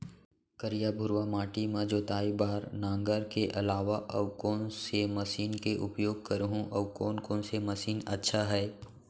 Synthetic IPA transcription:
kəɾijabʱʊɾwamaːʈimẽd͡ʒoːt̪aːibaːɾnãːŋɡəɾkeʔɐlaːʋaʔɐʋkɔːnsemɐsiːnkeʔʊpjoːɡ̚kɐɾɦũʔɐʋkɔːnkɔ̃ːnsemɐsiːnɐ̰tːʃʰaɦɛː

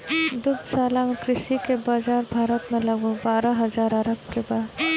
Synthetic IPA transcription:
d̪ʊbd̪saːlamẽkɾɪʃikebaːd͡ʒaːɾbʱaːɾət̪mẽlɐɡobaːɾaɦɐzaːɾɐɾəbkebaːd̪

